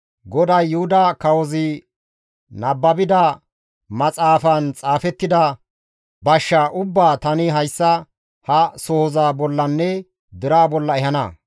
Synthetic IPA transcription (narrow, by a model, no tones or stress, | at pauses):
ɡɔd̪ɐjːʊhʊd̪ɐkɐwɔzɪ | nɐbːɐbɪd̪ɐ | mɐt͡sʼaːfɐnt͡sʼaːfɛt̪ːɪd̪ɐ | bɐʃːaʔʊbːaːt̪ɐnɪɦɐjsːɐ | hɐsɔhɔzaːbɔlːɐnːɛ | d̪ɪɾaːbɔlːɐɛhɐnɐ̰